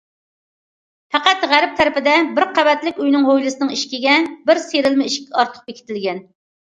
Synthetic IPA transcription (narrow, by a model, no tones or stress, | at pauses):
fæqæt̪ʁæɾɪp̚t̪ʰæɾɪpɪd̪ɛbɪɾqʰæbɛt̪lɪkʲujnɨŋɦojlɨsɨnɨŋiʃkʲiɡʲɛbɪɾseɾɪlmɪiʃkʲʰɑɾt̪ʰə̥q̚bekʲi̥t̪ʰɪlɡʲɛn